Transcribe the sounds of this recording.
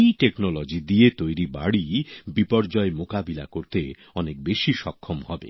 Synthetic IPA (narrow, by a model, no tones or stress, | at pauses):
ʈeknolod͡ʑid̪iet̪ojɾiba̰ɽibipɔɾd͡ʑɔemokabilakoɾt̪e | ɔnek̚beʃiʃɔkʰːomhɔbḛ